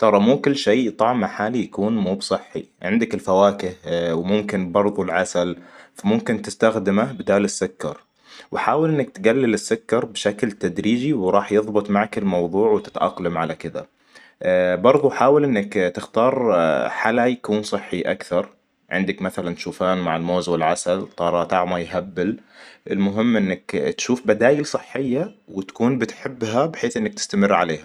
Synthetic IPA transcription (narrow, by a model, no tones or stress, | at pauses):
t̪ˤɑɾˤɑmuːkʊlːʃeːt̪ˤɑʕmaħaːlijakuːnmuːbsˤɨħːḭʕɪ̰nd̪akɪlfawaːkɪhwɪmʊmkɪnbɑɾˤðˤulʕasalfamʊmkɪnt̪ɪst̪axd̪ɪmabɪd̪aːlɪsːʊkːɑ̰ɾˤ | wɪħaːwɪlʔɪnːak̚t̪ɪɡalːɪlɪsːʊkːɑɾˤbʃaklt̪ad̪ɾiːd͡ʒiwɾˤɑːħjɨðˤbɨt̪ˤmaʕakɪlmɑwðˤuːʕwt̪ɪ̥t̪ʔɑ̰qlamʕalakɪd̪a̰ | bɑɾˤðˤuħaːwɪlʔɪnːɪkt̪ɪxt̪ɑːɾˤħalajakuːnsˤɨħːiʔa̰kθɑɾˤ | ʕɪ̰nd̪akmaθalant̪ʃuːfaːnmaʕɪlmoːzwɪlʕasalt̪ˤːɑːɾˤɑːt̪ʔɑʕmajɦabːɪlʔɪlmʊɦɪmːʔɪnːakt̪ʃuːfbad̪aːjɪlsˤɨħːɪjːawɪt̪kuːnbɪt̪ħɪbːɦabħeːθʔɪnːak̚t̪ɪ̥st̪amɪrːʕa̰leːha